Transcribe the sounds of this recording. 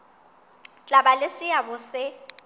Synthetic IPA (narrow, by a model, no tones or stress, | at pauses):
t͡ɬʼabalɪsɪjabʊsɪ